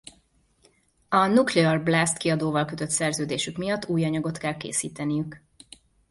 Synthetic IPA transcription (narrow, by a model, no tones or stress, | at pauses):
ɒnukleɛrblast̪kiɒd̪oːvɒlkø̞t̪ø̞t̪sɛrzøːd̪eːʃykmijɒt̪ːuːjɒɲɒɡo̞t̪kɛlkḛːsiːt̪ɛnijyk